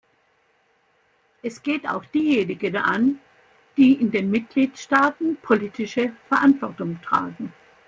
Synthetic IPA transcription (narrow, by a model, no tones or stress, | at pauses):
ʔɛsɡ̥eːta̰ʊxd̥iːjeːnɪɡəna̰n | d̥iːʔɪndeːnmɪt̚ɡ̥liːtʃtaːtn̩pʰoliːtʰɪʃəfɛɐʔantv̥ɔɐtʊŋtʁ̥a̰ːɡŋ̩